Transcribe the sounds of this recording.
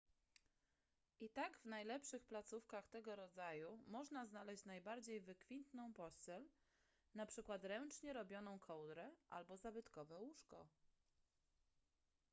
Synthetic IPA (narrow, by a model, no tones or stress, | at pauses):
ʔit̪aɡvnajlɛpʂɘxplat̪sufkaxt̪ɛɡɔɾɔd̪zajumɔʐnaznalɛɕt͡ɕnajbaɾd͡ʑejvɘkfʲint̪nɔ̃w̃pɔsɛl | napʂɘkwat̪ɾɛnt͡ʂɲɛɾɔbʲjɔnɔ̃w̃kʰɔwd̪ɾɛʔa̰lbɔzabɘt̪kɔvɛwuʂkɔ